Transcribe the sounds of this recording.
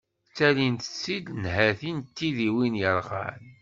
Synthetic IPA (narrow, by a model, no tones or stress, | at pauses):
t͡sːælint̪ə̥t͡sːid̪nhæθint̪ːiðiwinjəɾˤʁa̰l